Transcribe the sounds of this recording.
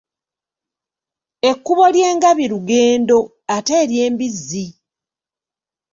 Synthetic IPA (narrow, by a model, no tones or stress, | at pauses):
e̞kːuβo̞lje̞ːŋɡaβiɾuɡe̞ːndo̞ | ateːɾje̞ːmbizːi